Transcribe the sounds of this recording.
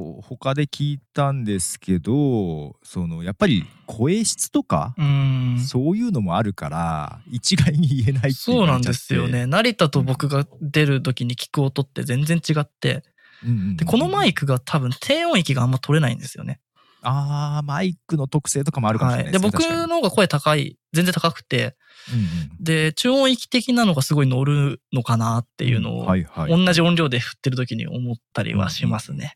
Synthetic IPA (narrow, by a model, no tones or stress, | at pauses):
ho̞kad̪e̞kʲiːtt̪ãnd̪e̞sɨ̥ke̞d̪oso̞no̞japːaɾʲḭkʰo̞eɕi̥t͡sɨ̥t̪o̞ka̰ɯ̟̃ːso̞ːjɯ̟ːno̞mo̞aɾɯ̟ka̰ɾa̰it͡ɕiɡaiɲ̟iːe̞nait̪ːso̞ːnãnd̪e̞sɨjo̞̰ne̞naɾʲit̪at̪o̞bo̞kɯ̟ɡad̪e̞ɾɯ̟t̪o̞kʲiɲ̟ikʲi̥kɯ̟o̞t̪o̞t̪ːe̞̰zẽ̞nd͡zẽ̞ɲt͡ɕiɡat̪ːẽ̞̰ | d̪̥eko̞no̞maikɯ̟ɡat̪ʰabɯ̟̃nt̪ʰe̞ːõ̞ɰ̃ikʲiɡaamːat̪ʰo̞ɾe̞naḭ̃nd̪e̞sɨjo̞̰ne̞ | amaikɯ̟no̞t̪o̞kɯ̟̥se̞ːt̪o̞kamoaɾɯkkaḭd̪ebo̞kɯ̟nohoːɡako̞e̞t̪akaḭze̞ñd͡zzẽ̞t̪akakɯ̟̥t̪e̞ | d̪e̞t͡ɕɨːõɰ̃ikʲi̥t̪e̞kʲinano̞ɡasɨɡo̞ino̞ɾɯ̟no̞kanat̪ːe̞̰jɯ̟̰ːno̞̰ːaõ̞nːaʑiõ̞nɾʲo̞ːd̪e̞ɸɯ̥t̪ːe̞ɾɯ̟t̪̬o̞kʲiɲ̟ḭʔo̞̰mo̞t̪ːaɾʲḭβa̰ɕimasɨne̞̰